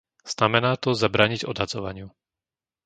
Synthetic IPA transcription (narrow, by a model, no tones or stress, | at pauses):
z̥namɛnaːt̪ɔzabɾaːɲiɟɔd̪ɦad͡zɔʋa̰ɲɪu